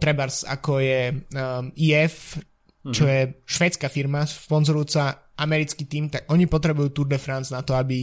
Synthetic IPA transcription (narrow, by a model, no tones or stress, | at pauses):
t̪ɾɛbaɾsa̰kɔjɛ | iːɛf | t͡ʃɔjɛʃʋɛːt͡skafiɾmaspɔnzɔɾujuːt͡sa | ʔamɛɾit͡skit̪iːmt̪akʔɔɲipɔt̪ɾɛbujuːt̪uɾd̪ɛfɾanznat̪ɔabi